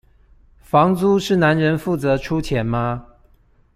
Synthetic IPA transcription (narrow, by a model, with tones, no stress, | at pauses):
fɑ˧˥ŋt͡su˥ʂɻ̩˥˩na˧˦˥nɻə˧˦nfu˥˩t͡sɤ˧˦ʈ͡ʂʰu˦˥t͡ɕʰjɛ˨˦˥nma˦˧